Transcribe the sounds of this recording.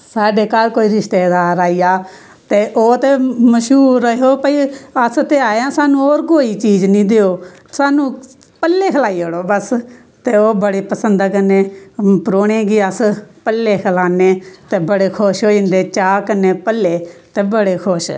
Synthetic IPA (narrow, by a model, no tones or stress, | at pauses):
saːɖeːkaːlkoːiːɾɪʃt̪eːd̪aːɾaːiːjaː | t̪eːʔoːt̪eːməʃuːəɦoːpəiːəst̪eːaːãːsaːnũːoːɾkoːiːt͡ʃiːd͡ʒnĩːd̪eːoː | saːnũː | pəlːeːkʰəlaːiːoɽoːbəs | t̪eːoːbəɽeːpəsənd̪akəneːpɾoːɳẽːɡiːəspəlːeːkʰəlaːneːt̪eːbəɽeːkʰoʃɦoːĩnd̪eːt͡ʃaːkənːeːpəlːeːt̪eːbəɽeːkʰʊʃ